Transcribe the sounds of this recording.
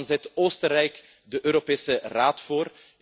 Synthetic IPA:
nzɛtoːstərɛjk | dəʔøːɾopeːsəraːtfoːr

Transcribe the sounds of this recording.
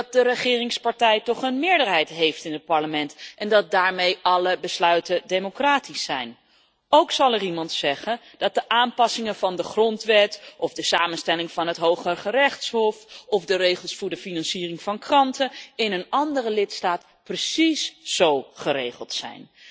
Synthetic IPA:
ɑt̚dərəχɪːrɪŋspɑɹtɛjtɔχənmɪːɹdəɹɦɛjtɦejftɪnət̚pɑɹləmɛntɛndɑt̚daːɹmejʔɑləbəslœɥtədejmokraːtisːɛjn | owksɑlˠɛrimɑntsɛχən | d̥ɑt̚dəʔaːmpɑsɪŋənvɑndəχrɔntʋɛtɔvdəsaːmənstɛlɪŋvɑnɦətɦowχəχərɛχtsɦɔfɔvdərejχəlˠsfʊːɹdəfinɑnsiːrɪŋvɑnkrɑntəɪnənɑndərəlɪtstaːt | prəsisz̥owχəɾejχəlˠtsɛ̰jn

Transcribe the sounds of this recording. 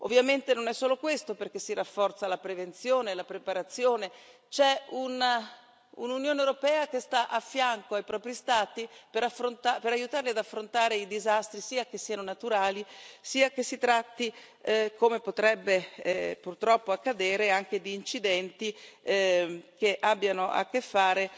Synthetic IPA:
o̰vːjament̪enonɛsːoːlokwest̪operk̟esːiɾafːɔrt̪salapɾevent̪sjoːnelapɾepaɾat̪sːjoːne | t͡ʃɛuna | ṵnunjoːnewɾopɛːak̟est̪aʔafːjaŋkoajpɾɔːpɾist̪aːt̪ipeɾafɾont̪apeɾajut̪aːrliad̪afːɾont̪aːɾeid̪izast̪ɾisiːak̟esːianonat̪uɾaːlisiːakesːit̪ɾat̪ːi | komepot̪ɾɛbːepurt̪ɾɔpːoakːad̪eːɾeaŋked̪iːnt͡ʃid̪ɛnt̪i | keʔabːjanoʔa̰kːefːaːɾe

